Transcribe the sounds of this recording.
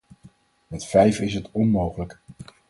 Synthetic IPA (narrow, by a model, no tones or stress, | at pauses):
mɛtfɛjfɪsɦətɔnmowχələk